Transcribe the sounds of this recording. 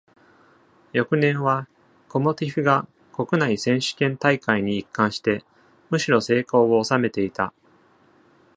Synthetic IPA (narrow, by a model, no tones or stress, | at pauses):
jo̞kɯ̟nẽ̞ɰ̃βa | ko̞mo̞t̪ʲiɸɯ̟ɡa | ko̞kɯ̟naisẽ̞ɰ̃ɕɨ̥kẽnt̪aikaiɲ̟iːkːãɰ̃ɕi̥t̪e̞ | mɯ̟ɕiɾo̞se̞ːko̞ːoːsame̞t̪e̞it̪a